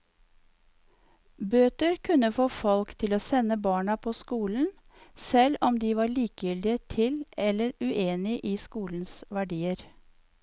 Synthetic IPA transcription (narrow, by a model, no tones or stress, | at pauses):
bøːt̪əɾkʰʉnəfoːfɔlkt̪ʰɪloːsɛnəbɑːɳɑpʰoːskuːln̩ | sɛlɔmd̪iːʋɑːɭiːkjʏld̪ɪət̪ʰɪlɛlːəɾʉʔeːnɪʔiːskuːln̩sʋæɖiːəɾ